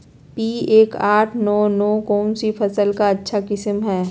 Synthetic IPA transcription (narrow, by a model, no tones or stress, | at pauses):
piːeːkaːʈʰnɔːnɔːkɔːnsifʰɐsəlkaɐtːʃʰakɪsəmɦɛː